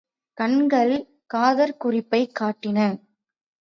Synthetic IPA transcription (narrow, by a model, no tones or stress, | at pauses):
kɐɳɡɐɭ | kaːðɐɾkʊrɪpːɐɪkːaːʈːɪnɐ